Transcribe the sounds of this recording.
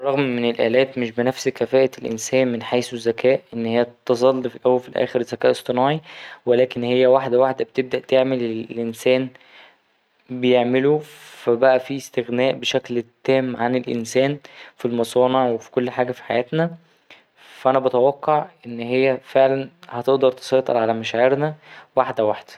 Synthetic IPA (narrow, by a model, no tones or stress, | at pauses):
rˤːɑɣmːenelʔæ̰ːlæːt̪meʃbenæfskæfæːʔælʔḛnsæːnmenħaːsuzːækʰæːʔʔenːhejːæt̪ːɑzˤɑlːfilʔæwːælfilʔæ̰ːxeɾzːækæːʔesˤt̪ˤɨnɑːʕiwelæːkenhejːæwaħd̪æwaħd̪æbet̪eb̚d̪æʔt̪eʕmeleʔensæːn | bejeʕmelofæbæʔæfiːst̪eɣnæːʔbeʃæklt̪ːæːmʕanelʔḛnsæːnfilmɑsˤɑːneʕwefi̥kolːħaːɡæfi̥ħajæːt̪næ | fæʔænæbɑt̪æwæqːɑʕʔʔenːhejːæfeʕlænhæt̪eʔd̪ɑɾˤt̪e̥sˤɑjt̪ˤḛɾʕalæmæʃʕeɾnæwaħd̪æwaħd̪̥æ̥